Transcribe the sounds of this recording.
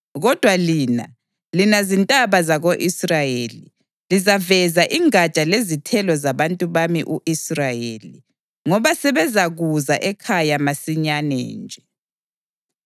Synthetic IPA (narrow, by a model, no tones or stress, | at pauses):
ɣɔd̥ʱwaliːna̰ | linazintʼaβazaɣoʔisrajeli | lizavɛzaʔiŋat͡ʃʼalezitʰɛlɔzaβantʼuβamiʔuʔisrajeli | ŋɔβasɛβɛzaɣuzaʔɛkʰajamasiɲanɛ̰ːnd͡ʒʱɛ